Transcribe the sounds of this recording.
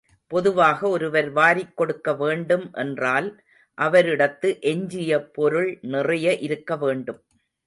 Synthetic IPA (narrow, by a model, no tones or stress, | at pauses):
pɔðɯʋaːɣɐɔɾɯʋɐɾʋaːɾɪkːɔɽɯkːɐʋeːɳɖɯmʔɛ̰ndraːl | ʔɐʋɐɾɪɽɐt̪ːɯʔɛɲd͡ʒɪjɐpɔɾɯɭnɪrɐjɐʔɪɾɯkːɐʋeːɳɖɯm